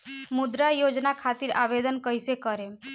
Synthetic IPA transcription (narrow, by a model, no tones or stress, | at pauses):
mud̪ɾajod͡ʒnakʰat̪iɾa̰ʋed̪ənkəɦsekəɾe